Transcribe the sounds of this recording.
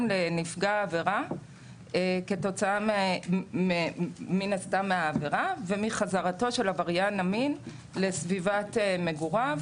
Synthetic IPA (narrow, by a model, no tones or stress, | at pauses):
mlenifɡaːve̞ʁa | eke̞to̞t͡saam | eminastamːeaːveʁavemiχazaʁato̞ʃe̞lavaʁjanamin | le̞svivateme̞ɡuʁav